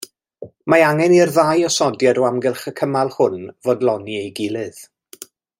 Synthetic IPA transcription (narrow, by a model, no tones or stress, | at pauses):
maaŋɛnirðajɔsɔdjadoamɡɪlˠχəkʰəmalˠhʊnvoːdlˠɔniejɡɪlˠɨð̥